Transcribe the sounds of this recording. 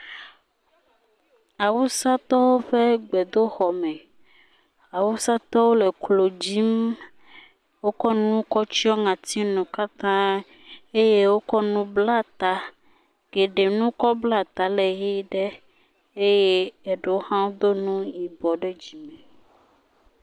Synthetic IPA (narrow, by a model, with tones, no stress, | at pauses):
a˨wu˦sa˦t̪ɔ˦wo˦ɸe˦ɡ͡bɛ˨d̪o˦xɔ˨mɛ̃˨ | a˨wu˦sa˦t̪ɔ˦wo˦le˨klo˨d͡ʑi˦m | wo˦kɔ˦nũ˦kɔ˦t͡ɕi˦ɔ˦ŋã˨t̪i˦nũ˨ka˦t̪ã˦ | e˦je˦wo˦kɔ˦nũ˦bla˦t̪a˨ | ɡ̥e˨ɖe˨nũ˦kɔ˦bla˦t̪a˨lɛ˨ɣi˦ɖe˦ | e˦je˦e˨ɖe˦o˦hã˦wo˦d̪o˦nũ˦ji˨bɔ˨ɖɛ˦d͡ʑi˨mɛ̃˨